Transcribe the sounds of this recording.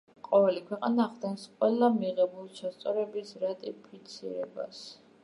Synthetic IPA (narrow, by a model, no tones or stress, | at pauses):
qʼɔvɛlikʰwɛqʼanaːχd̪ɛnsqʼwɛlˠamiʁɛbulˠt͡ʃʰast̪sʼɔɾɛbisɾat̪ʼipʰit̪sʰḭɾɛ̰ba̰s